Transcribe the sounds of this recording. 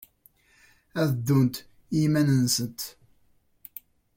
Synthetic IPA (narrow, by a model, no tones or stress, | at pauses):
æðd̪ːunt̪ | imænənsət̪